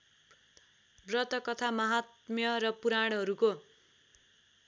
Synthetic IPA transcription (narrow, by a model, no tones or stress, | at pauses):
brʌt̪ʌkʌt̪ʰamʌɦat̪mjʌrʌpuɾaɽɦʌɾuko